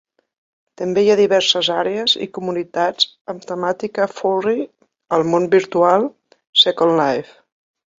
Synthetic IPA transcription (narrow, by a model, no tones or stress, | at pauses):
t̪əmbejaðiβɛɾsəzaɾeəzḭkumunit̪ad͡z | əmt̪əmat̪ikəfuri | əlˠmonbiɾt̪ualˠ | sɛkonlajf